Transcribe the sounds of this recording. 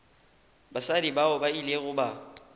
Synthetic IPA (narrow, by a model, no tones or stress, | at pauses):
basadibaɔbaileɣʊba